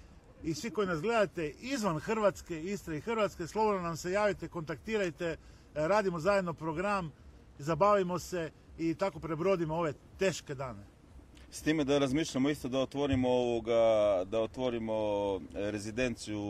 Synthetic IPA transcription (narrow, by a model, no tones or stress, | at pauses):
isʋiko̞jinasɡle̞d̪at̪e̞ʔizʋanxr̩ʋat̪ske̞ist̪ɾaixrɾʋat̪ske̞slˠo̞bod̪nanamse̞jaːʋit̪eko̞nt̪akt̪iːɾajt̪e̞ | ɾaːd̪imo̞zajed̪no̞pɾo̞ɡɾam | zabaːʋimo̞se̞ | it̪ako̞pɾe̞bɾo̞d̪imooʋe̞ | t̪e̞ːʃke̞d̪aːne̞ | st̪iːmed̪aɾazmiːʃʎamo̞ist̪od̪aot̪ʋo̞ɾimooʋoɡad̪aot̪ʋo̞ɾimo̞ɾezid̪e̞nt̪siju